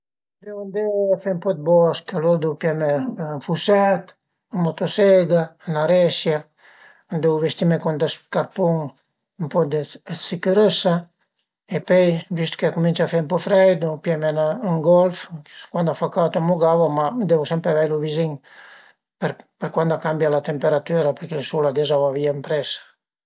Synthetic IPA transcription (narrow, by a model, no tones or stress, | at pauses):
d̪eund̪efempɔd̪̚bɔskaloɾd̪upjɛmenfusɛt̪ | amɔt̪osɛɡanaɾɛsja | d̪ewvest̪imekɔnd̪əskaɾpuŋ | mpɔd̪əsikuɾəsa | epøjvist̪kekumĩnt͡ʃafempɔfɾɛjd̪upjɛmenaŋɡɔlfkwand̪afakat̪omuɡavamad̪evusɛmpɾevɛjluviziŋ | peɾpeɾkwand̪akambjalat̪empeɾat̪yɾapeɾkelsulad̪ezavaviampɾɛsḁ